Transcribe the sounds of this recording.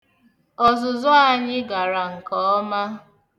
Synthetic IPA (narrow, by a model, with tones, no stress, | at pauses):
ɔ˨zʊ˨zʊ˦a˦ɲɪ˦ɡa˨ɾa˨ŋ̩˨kɔ˦ɔ˦ma˦